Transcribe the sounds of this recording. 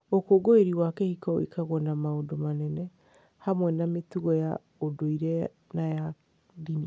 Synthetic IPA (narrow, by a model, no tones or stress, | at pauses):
okoɡoeɾiwakɛhikɔwḭkaɣwɔnamaodomanɛnɛ | hamwɛnametuɣɔja | odoiɾɛ | naja | dini